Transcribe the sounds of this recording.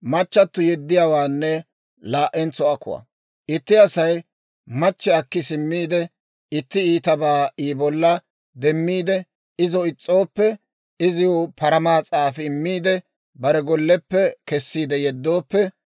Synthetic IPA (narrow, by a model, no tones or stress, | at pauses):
mɐt͡ʃːɐt̪ːʊjɛd̪ːɪjaːwaːnːɛ | laːʔɛnt͡sːɔɐkːʊ̰wɐ̰ | ʔɪt̪ːɪɐsɐj | mɐt͡ʃːɛɐkːɪsɪmːiːd̪ɛ | ɪt̪ːɪiːt̪ɐbaːiːbɔlːɐ | d̪ɛmːiːd̪ɛ | ɪzɔɪt͡sʼːo̞ːpːɛ | ɪzɪjopɐɾɐmaːt͡sʼaːfɪɪmːiːd̪ɛ | bɐɾɛɡɔlːɛpːɛkɛsːiːd̪ɛjɛd̪ːo̞ːpːɛ